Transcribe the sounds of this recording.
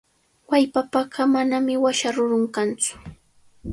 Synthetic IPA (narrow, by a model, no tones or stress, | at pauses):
wajpapaɢɑmanamɪwaʃaɾʊɾʊŋkant͡sʊ̥